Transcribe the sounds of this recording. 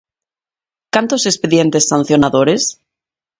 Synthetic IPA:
kant̪ose̞speðjent̪e̞sːan̟θjonaðoɾes

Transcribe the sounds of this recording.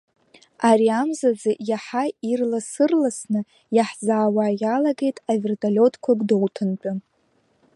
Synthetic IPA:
aɾiamzazɨjaħairlasɨrlasnɨ | jaħzaːwaːjalaɡe̞jtʼavertʰʼalʲo̞tʰʼkʷʰaɡʷʼdowtʰɨnt͡pʼʊ

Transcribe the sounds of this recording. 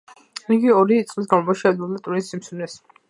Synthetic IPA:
iɡiɔɾit̪sʼlisɡamɔmɔʃɛd̪bɔbd̪at̪ʼuɾisːimsunɛs

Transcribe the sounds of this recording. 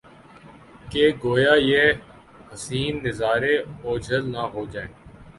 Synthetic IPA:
keːɡoːjaːjeː | həsiːnːɪzaːɾeːoːd͡ʒʱəlnaːɦoːd͡ʒaẽː

